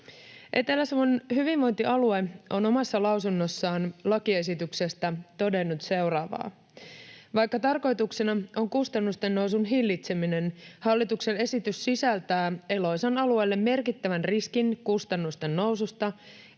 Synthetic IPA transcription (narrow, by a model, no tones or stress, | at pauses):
ʔe̞t̪e̞læsmonɦyʋinʋo̞jnt̪iʔɑlue̞o̞no̞mɑsːɑlɑwsunːo̞sːɑːnlɑkie̞s̬it̪ykse̞st̪æt̪o̞de̞nːut̪se̞wrɑːʋɑ̰ː | ʋɑjkːɑt̪ɑrko̞jt̪uksenɑo̞ŋkust̪ɑnːust̪e̞nːo̞ws̬unɦilːit̪se̞mine̞nhɑlːit̪ukse̞ne̞sit̪ysːisælt̪æːe̞lo̞jsɑnɑlue̞lːe̞mːe̞rkit̪ːæʋænriskinkust̪ɑnːust̪e̞nːo̞wsust̪ɑ